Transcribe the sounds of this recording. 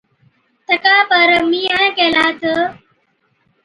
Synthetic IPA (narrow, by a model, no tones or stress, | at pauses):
t̪ɐkaːpəɾmiːãkeːlaːt̪ə